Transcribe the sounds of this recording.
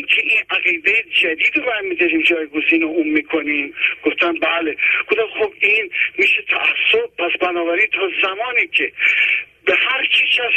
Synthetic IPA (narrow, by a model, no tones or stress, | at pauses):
kʰeʔĩːnʔæɣiːd̪ejed͡ʒæd̪iːd̪obæd̪miːd̪ɛɾiːmd͡ʒɒːjɡoziːnouːmmiːkʰoniːmɡ̥oft̪ʰæmbæːleɡ̥od̪æmxobiːnmiːʃet̪ʰæʔæsːob̚pʰæsbænɒːbæɾiːnt̪ʰɒːzæmɒːniːcʰe | behæɾt͡ʃʰiʃæs